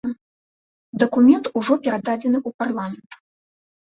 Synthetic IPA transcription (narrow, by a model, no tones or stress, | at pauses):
d̪ɐkumʲɛnt̪uʐɔpʲɛɾad̪ad͡zʲɛnɨʔuparlˠamʲɛnt̪